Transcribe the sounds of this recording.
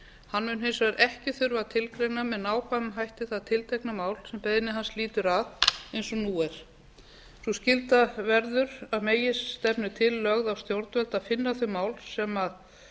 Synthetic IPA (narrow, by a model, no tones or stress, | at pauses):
hanːmʏnɦejnsvaɾʔɛhcɪθʏɾvat̪ʰɪlkɾejnamɛðnaːwkʰvamɦajht̪ɪθaðt̪ʰɪlt̪ʰɛknamaːwlsɛmpeːjðɪnɪɦansliːt̪ʏɾaðejnsɔnuːɛɾ̥ | suscɪlt̪avɛɾðʏɾaðmeːjɪsːt̪ɛpnʏt̪ʰɪlːœɣðawst̪jowɾt̪vɛlt̪aðfɪnːaθœɥmaːwlsɛmað